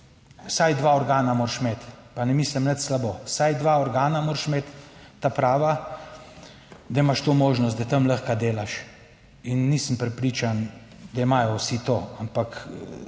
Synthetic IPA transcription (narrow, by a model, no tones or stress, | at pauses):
sajd̪ʋaːɔɾɡaːnamoːɾʃmeːt̪panɛmiːsləmnət̪slabosajd̪ʋaɔɾɡaːnamoːɾʃmeːt̪ː | apɾaːʋa | d̪ɐimaʃt̪oːmoːʒnɔst̪d̪ɐt̪əmləxkad̪eːlaʃ | inːisəmpɾɛpɾiːt͡ʃan | d̪ɐimajɔwsit̪oːampak